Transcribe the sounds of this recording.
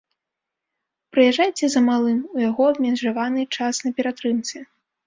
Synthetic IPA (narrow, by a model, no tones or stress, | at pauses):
pɾɨjaʐajt͡sʲɛzɐmalˠɨmujaɣɔmʲɛnʐavanɨt͡ʂasnɐpʲɛɾat̪ɾɨmt̪sʲɛ